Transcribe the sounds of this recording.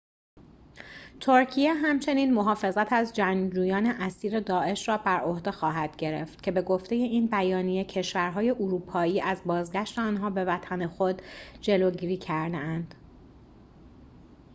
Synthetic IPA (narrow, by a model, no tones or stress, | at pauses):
t̪ʰoɾcʰijeɦæmt͡ʃʰe̞niːnmo̞ɦɒːfe̞zæt̪ʰæzd͡ʒæŋd͡ʒuːjɒːneʔæsiːɾe̞d̪ɒːʔe̞ʃrɒːbæɾo̞hd̪exɒːɦæd̪̥ɟe̞ɾḛft̪̚cʰe̞be̞ɡo̞ft̪e̞je̞iːnbæjɒːnije̞cʰeʃvæɾɦɒːje̞ʔuɾuːpʰɒːiːʔæzbɒːzɡæʃt̪eɒːnɦɒːbe̞væt̪ʰænexod̪̥d͡ʒe̞loːɟiːɾiːcʰæɾd̪eænd̪̥